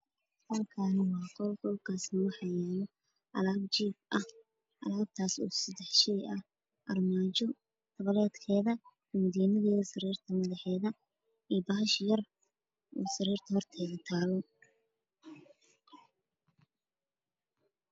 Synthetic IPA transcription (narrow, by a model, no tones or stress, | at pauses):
hɐlkʰaːnɐwɑːqɔlɡɔlkʰaːsnɐwɑħɑjɛːlɔ | ʔɐ̰laːbt͡ʃiːb̚ɐh | ʔɐ̰laːb̚t̪ʰaːsṵːsɐd̪ɛħʃɛjɐ | ʔɐrmaːt͡ʃɔ | t̪ʰɐβɐlɛːd̪kʰɛːðɐ | ʊmd̪iːnɐðɛːðɐsɐriːrt̪ʰɐmɐðɐħɛːðɐ | iːbɐɦɐʃjɐr | ʔṵːsɐɾiːrt̪ʰɐhɔrt̪ʰɛɣɐt̪ʰaːlɔ